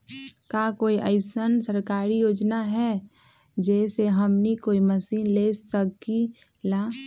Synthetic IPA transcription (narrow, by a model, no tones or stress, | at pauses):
kakoːiʔəɪsənsəɾkaːɾijoːd͡ʒnaɦɛ | d͡ʒɛːseɦəmnikoːiməsiːnlesəki | laː